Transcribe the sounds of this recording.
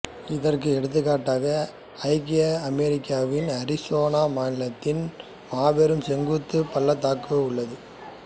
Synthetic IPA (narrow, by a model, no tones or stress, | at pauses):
ɪðɐrkɯɛɽɯt̪̬ːɯkːaːʈːaːɣɐ | ɐɪkɪjɐɐmɛɾɪkːaːʋɪnɐɾɪsoːnaːmaːnɪlɐt̪ːɪn | maːʋɛɾɯmsɛŋɡɯt̪ːɯpɐlːɐt̪aːkːɯʊɭːɐðɯ